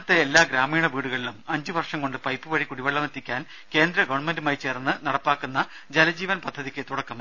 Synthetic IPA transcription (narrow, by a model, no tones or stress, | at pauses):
ɐt̪ːeelːaːɡɾaːmiːɳɐʋiːɽuɣɐɭilumɐɲd͡ʑɨʋɐrʂɐŋko̞ɳɖɨpɐjpːɨʋɐɻikuɽiʋɐɭːɐmɐt̪ʰːikʲːaːn | ke̞ːnd̪ɾɐɡɐʋɐɳmendumaːjt͡ɕe̞ːrnːɨnɐɽɐpːaːkːunːɐ | d͡ʑelɐd͡ʑiːʋɐnpɐd̪ʱːɐðikʲːɨt̪uɽɐkːɐm